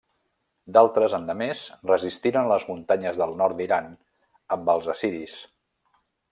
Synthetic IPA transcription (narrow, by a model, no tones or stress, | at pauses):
d̪alˠt̪ɾəzənd̪əmezrəzist̪iɾənləzmunt̪aɲəzðəlˠnɔɾt̪d̪iɾan | əmbəlˠzəsiɾis